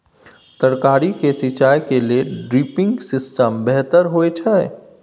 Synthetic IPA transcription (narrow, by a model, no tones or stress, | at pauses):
t̪əɾkaːɾikesɪt͡ʃaːjkelieɖɾiːpɪ̃ŋɡsɪsʈəmbɛɦt̪əɾɦoet͡ʃʰɛe